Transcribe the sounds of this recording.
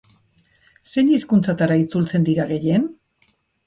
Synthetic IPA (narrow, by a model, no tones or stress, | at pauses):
se̞ɲiskunt͡sat̪aɾait͡sult͡se̞nd̪iɾaɣe̞je̞n